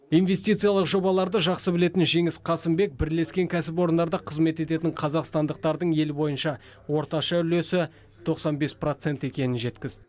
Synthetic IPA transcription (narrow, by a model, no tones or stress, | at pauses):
inve̞st̪it̪sɨjɑlˠəqʒo̞bɑlˠɑɾd̪əʒɑqsəbɪle̞t̪ɪnʒe̞ŋɪsqʰɑsɪmbe̞k̚bɪɾle̞skʲe̞ŋkʲʰæsɪp̬o̞ɾənd̪ɑɾd̪ɑqʰəzme̞t̪e̞t̪e̞t̪ɪɴqʰɑzɑqst̪ɑnd̪əq̚t̪ɑɾd̪əɴe̞lbo̞jənʃɑ | wo̞ɾt̪ɑʃɑʏle̞sɪ | t̪ʰo̞qsɑnbe̞spro̞t̪se̞nt̪e̞kʲe̞nɪnʒe̞t̪kʲɪzd̪ɪ